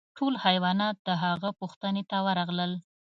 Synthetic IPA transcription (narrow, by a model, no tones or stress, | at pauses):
ʈʰolhajwɑnɑt̪̚d̪əɦaɣəpuxt̪ənet̪awəɾɑɣləl